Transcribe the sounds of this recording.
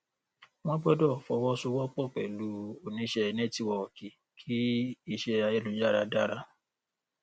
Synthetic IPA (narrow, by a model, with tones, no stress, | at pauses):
w̃ɔ̃˦bɔ˦dɔ˦˨fɔ˧˦wɔ˦su˧˦wɔ˦k͡pɔ˦˨k͡pɛ˨lu˨˦o˨nĩ˨˧˦ʃɛ˧ɛ˧˨nɛ̃˦ti˦wɔ˧ɔ˨ki˨ | kʰi˦i˧ʃɛ˧˨a˧je˦lu˨˦d͡ʒa˦˨ɾa˧da˦˨ɾa˦